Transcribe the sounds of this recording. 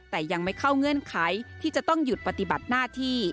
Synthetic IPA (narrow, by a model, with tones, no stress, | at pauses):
t̪ɛː˨˩ja˧ŋma˥˩jkʰa˥˩wŋɤ˧˥ə˨nkʰa˩˦jt̪ʰiː˥˩t͡ɕa˨˩t̪ɔ˥˩ŋju˨˩t̪̚pa˧t̪i˨˩ba˨˩t̪̚naː˥˩t̪ʰiː˥˩